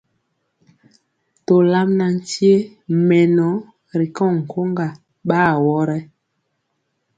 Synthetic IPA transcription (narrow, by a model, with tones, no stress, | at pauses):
to˨la˦mna˨n̩˨ti˦e˦ | mɛ˨nɔ˨˦ | ɾi˨kɔ̃˦˨ŋ̩˨ko˦ŋɡa˨ | ɓaː˦˨˦wɔ˦ɾɛ˦